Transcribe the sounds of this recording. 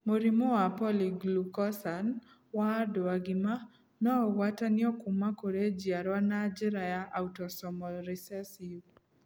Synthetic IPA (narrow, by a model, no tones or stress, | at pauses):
moɾimoapɔliɡlukɔsan | wadɔaɡɪma | nɔwatanɪɔkʊmːakoɾed͡ʒiaɾwanad͡ʒiɾajaʔautɔsɔmɔlɾisɛsiw